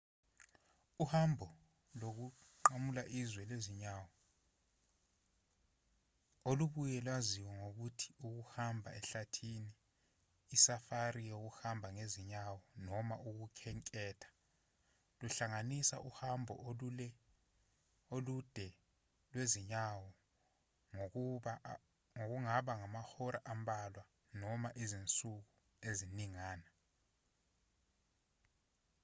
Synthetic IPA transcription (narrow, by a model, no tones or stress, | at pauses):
uhambʱɔ | lok̬uǃamulaʔizwɛleziɲaːwɔ | oluɓujɛlwaziwɔŋok̬utʰi̥uk̬uhambʱa̰ɛɬatʰiniː | safarijok̬uhambʱaŋeziɲawɔnɔmaʔuk̬ukʰɛŋkʼɛːtʰḁ | luɬaŋanisa̰ʔuhambʱɔ̰ɛ | olud̥ʱɛ | lweziɲawɔ | ŋok̬uŋaɓaŋamaxɔɾʔaʔambʱalwa | nɔmaʔizint͡sʼuk̬u | eziniŋaːna